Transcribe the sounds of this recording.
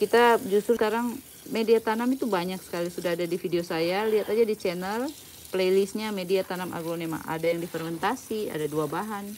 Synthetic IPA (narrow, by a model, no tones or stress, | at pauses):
kit̪ad͡ʒust̪ʊrsəkaɾaŋ | mediat̪anamit̪ubaɲaksə̥kalisudaɦadadifideosajaliɦat̪ad͡ʒadit͡ʃɛnɛl | plejlisɲamediat̪anamʔa̰ɡlonema̰a̰dajaŋdifɛrmɛnt̪asia̰daduabaɦan